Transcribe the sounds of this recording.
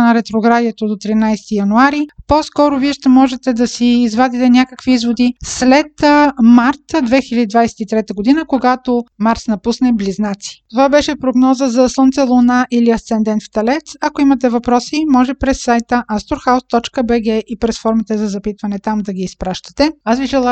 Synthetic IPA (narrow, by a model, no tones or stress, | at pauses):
nɐɾɛt̪ɾoɡɾad̪iɛt̪od̪ot̪ɾinajst̪ijɐnuaɾiposkɔɾoviɛʃt̪ɛmɔʒɛt̪ɛd̪ɐsiːzvad̪it̪ɛnʲjakəkviizvod̪islɛt̪maɾt̪d̪vɛxilʲɐd̪id̪vajsɛ̥t̪it̪ɾɛt̪əɡod̪inəkoɡat̪omaɾsnɐpusnɛbliznat̪si̥t̪ovabɛʃɛpɾoɡnɔzəzɐslˠənt̪sɛlˠonaʔiliɐst̪sɛnd̪ɛnt̪ft̪ɐlɛt̪sɐkoimɐt̪ɛvɐpɾɔsimɔʒɛpɾɛsːajt̪əʔast̪oɾxawst̪ɔt͡ʃkəbɛɡɛʔipɾɛsfɔɾmit̪ɛzɐzɐpit̪vɐnɛt̪amd̪ɐɡʲiːspɾaʃt̪ə̥t̪ɛasviʒɛlˠa